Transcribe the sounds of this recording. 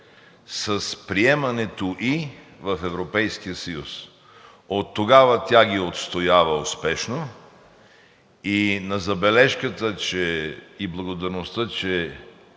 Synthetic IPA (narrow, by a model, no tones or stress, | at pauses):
səspɾiɛmɐnɛt̪oʔivɐfɛvɾopɛjsk̟ijəsəjus | ot̪ːoɡavət̪ʲaɡʲiot̪st̪ojavɐospɛʃno | inɐzɐbɛlɛʃkət̪ət͡ʃɛiblˠɐɡod̪ɐɾnost̪ət͡ʃɛ